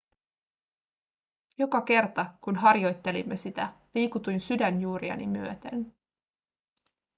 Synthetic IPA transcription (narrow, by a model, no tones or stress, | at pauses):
jo̞kɑke̞rt̪ɑkunɦɑrjo̞jt̪ːe̞limːe̞sit̪æʋiːkut̪ujnsydænjuːɾiɑ̰nḭmyøt̪e̞̰n